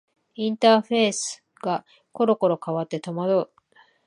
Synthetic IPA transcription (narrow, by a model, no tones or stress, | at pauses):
ĩnt̪aːɸe̞ːsɨ̥ | ɡ̥a | ko̞ɾo̞ko̞ɾo̞kaβat̪ːe̞t̪o̞mad̪oɯ